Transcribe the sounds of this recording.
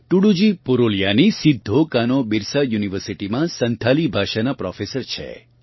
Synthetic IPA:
ʈuɽud͡ʒipuɾoljanisid̪ʱːokanobiɾsajuniʋəɾsiʈimãsənt̪ʰalibʱaʃanapɾɔfesəɾt͡ʃʰḛ

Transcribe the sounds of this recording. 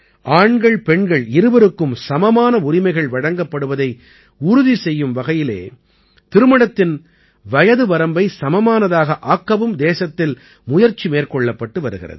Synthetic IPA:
ʔaːɳɡɐɭpɛɳɡɐɭɪɾɯʋɐɾɯkːɯmsɐmɐmaːnɐʊɾɪmɐɪɣɐɭʋɐɽɐŋɡɐpːɐɽɯʋɐðɐɪ | ʊɾʊðisɛjːɯmʋɐɣɐjɪlḛː | t̪ɪɾɯmɐɽɐt̪ːɪn | ʋɐjɐðɯʋɐɾɐmbɐɪsɐmɐmaːnɐðaːɣɐʔaːkːɐʋɯmd̪eːsɐt̪ːɪl | mʊjɐɾt͡ʃːimeːrkɔɭːɐpːɐʈːɯʋɐɾɯɣɪ̰rɐ̰ðɯ

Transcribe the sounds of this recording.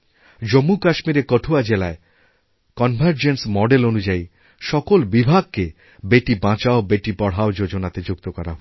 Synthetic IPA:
d͡ʑomːukaʃmiɾekɔʈʰuad͡ʑelae | kɔnbʱaɾd͡ʑensmɔɖelonud͡ʑai | ʃɔkolbibʱaɡ̚ke | beʈibãt͡ɕaobeʈibɔɽɦaod͡ʑod͡ʑonat̪ed͡ʑuk̚t̪okɔɾaɦ

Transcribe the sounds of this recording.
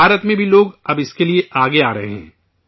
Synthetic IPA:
aːɾət̪mẽbʱiloːɡɐbɪskelieʔaːɡeaːɾɐɦḛɦɛ̰̃ː

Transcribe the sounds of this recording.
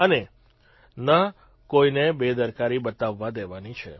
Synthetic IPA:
əne | na | koinebed̪əɾkaɾibət̪aʋːãd̪eʋanit͡ʃʰe

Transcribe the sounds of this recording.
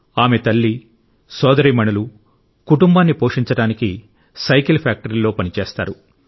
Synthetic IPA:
aːme̞t̪ɐlːi | sɔːd̪ɐɾimɐɳulu | kuʈumbaːnːipo̞ːʂiɲt͡ʃɐɽaːniki | sɐjkilpʰaːk̚ʈɐɾilːo̞ːpɐnit͡ʃeːst̪a̰ːɾu

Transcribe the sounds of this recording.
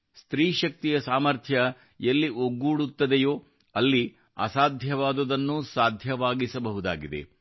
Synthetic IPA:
st̪ɾiːʃɐk̚t̪ijɐsaːmɐɾt̪ʰjɐ | jɐlːiʔoɡːuːɽut̪ːɐd̪ejoː | ɐlːi | ɐ̰saːd̪ʱjɐʋaːd̪ɐd̪ɐnːusaːd̪ʱjɐʋaːɡisɐbɐɦud̪a̰ːɡid̪ḛ

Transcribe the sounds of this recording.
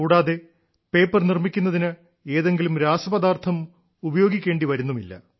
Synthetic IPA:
uːɽaːðe̞ | pe̞ːpːɐrnirmikʲːunːɐðinɨ | e̞ːðe̞ŋɡilumɾaːsɐbɐd̪aːrt̪ʰɐm | ubɐjo̞ːɡikʲːe̞ːɳɖiʋɐɾunːumilːɐ̰

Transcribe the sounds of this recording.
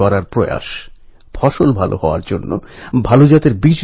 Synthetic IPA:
ɔɾaɾpɾoja̰ʃ | fʰɔʃolbʱalʔo̰ɦɔoa̰ɾd͡ʑonːo̰bʱalod͡ʑat̪eɾbid͡ʑ

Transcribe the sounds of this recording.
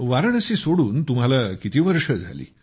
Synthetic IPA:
ʋaɾəɳəsisoɽuːnt̪um̤alakit̪iːʋəɾʂəd͡zʱa̰lḭː

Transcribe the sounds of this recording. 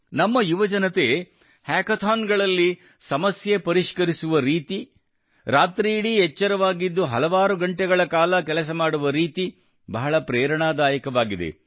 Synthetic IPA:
nɐmːɐjuʋɐd͡ʒɐnɐt̪e̞ | haːkɐt̪ʰaːnɡɐɭɐlːi | sɐmɐsjepɐɾiʂkɐɾisuʋɐɾiːt̪i | ɾaːt̪ɾiːɽiɦɛt͡ʃːɐɾɐʋaːɡid̪ːuɦɐlɐʋaːɾuɡɐɳʈɛɡɐɭɐkaːlɐkɛlɐs̬ɐmaːɽuʋɐɾiːt̪i | bɐɦɐɭɐpɾɛːɾɐɳaːd̪aːjɐkɐʋaːɡid̪ḛ

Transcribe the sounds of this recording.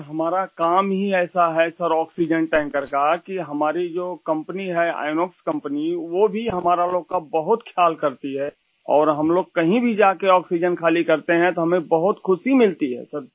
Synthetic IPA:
ɦɐmaːɾakaːmɦiɛːsaɦɛsɐɾɔːksid͡ʒənʈɛ̃ːŋkəɾkakiɦɐmaːɾid͡ʒoːkɐ̃mpəniɦɛa̰ːɪnoːkskɐ̃mpəniʋobʱiɦɐmaːɾaloːɡ̚kabɐɦʊt̪kʰjaːlkɐɾt̪iɦɛː | ɔ̰ːɾɦɐmloːɡ̚kɐɦĩbʱid͡ʒaːkeɔːksid͡ʒənkʰaːlikɐɾt̪eɦɛ̃t̪oɦɐmẽbɐɦʊt̪kʰʊsimɪlt̪iɦɛ̰səɾ

